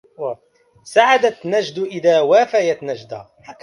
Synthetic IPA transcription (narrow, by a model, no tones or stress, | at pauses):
wa | saʕad̪at̪naʒd̪ʔɪðaːwaːfajat̪naʒd̪a̰